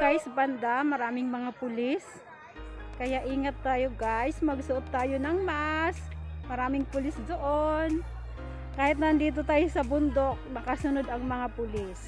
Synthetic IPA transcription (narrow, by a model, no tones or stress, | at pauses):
ɡajsbɐnd̪amɐɾaːmɪŋmɐŋapʊlɪs | kɐjaʔiːŋɐt̪ːaːjoɡajsmɐɡsʊʔot̪ːaːjonɐŋmɐʔasmɐɾaːmɪŋpʊlɪsd̪oʔon | kaːhɪt̪̚nɐnd̪iːt̪̬ot̪aːjosɐbʊnd̪ok̚mɐkasʊnod̪ɐŋmɐŋapʊlɪs